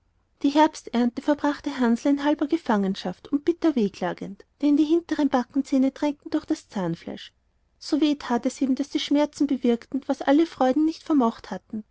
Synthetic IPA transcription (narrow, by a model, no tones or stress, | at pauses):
d̥iːɦɛɐpstʔɛɐntəfɛɐbʁaχtəɦanzl̩ɪnɦalbɐɡəfaŋənʃaftʊnt̚b̥ɪtɐveːkʰl̥aːɡəntd̥ɛndiːɦɪntəʁənb̥akŋ̩t͡seːnədʁ̥ɛŋk̚tn̩d̥ʊɐxd̥ast͡saːnfla̰ɪʃ | z̥oːveːtʰaːtɛsiːmd̥asd̥iːʃmɛɐt͡sn̩bəvɪɐktn̩vasʔaləfʁ̥ɔʏdn̩nɪçtfɛɐmɔχthatn̩